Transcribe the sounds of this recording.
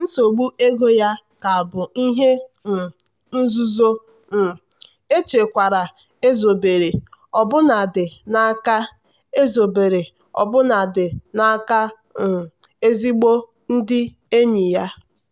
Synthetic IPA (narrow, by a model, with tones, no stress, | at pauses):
n̩˦so˨ɡ͡bu˦e˦ɡo˦ja˦ka˨a˨bʊ˨i˦ɦe˦n̩˨ | n̩˦zʊ˦zo˦ | n̩˨ | e˦t͡ʃe˨kʷa˨ɾa˨ | e˦zo˨be˨ɾe˨ɔ˨bʊ˦na˨dɪ˨na˦a˦ka˦ | e˦zo˨be˨ɾe˨ | ɔ̰˨bʊ˦na˨dɪ˨na˦ka˦ | n̩˨e˦zi˦ɡ͡bo˦ | n̩˦dɪ˦ | e˦ɲi˨ja˦